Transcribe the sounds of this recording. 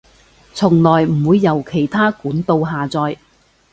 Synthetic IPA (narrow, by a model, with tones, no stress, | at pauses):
t͡sʰʊ˨˩ŋlɔː˨˩jm̩˨˩wuː˨˧jːɐ˨˩wkʰe˨˩jt̪ʰaː˥kuː˨˥nt̪o˧wɦaː˨t͡sɔː˧j